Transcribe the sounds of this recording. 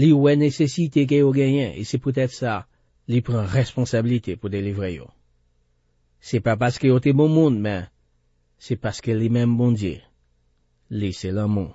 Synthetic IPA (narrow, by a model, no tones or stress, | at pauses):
liwɛnesesit̪ek̬ejoɡɛ̃jɛ̃ʔḛsɛput̪̬ɛt̪sa | lipʁɑ̃ʁɛspɔ̃sabilit̪epud̪elivʁejo̰ | sɛpapaʁskəjot̪ɛbɔ̃mũnmɛ̃ | sɛpaskəlimɛ̃mbɔ̃djḛ | lisɛlãmɔ̃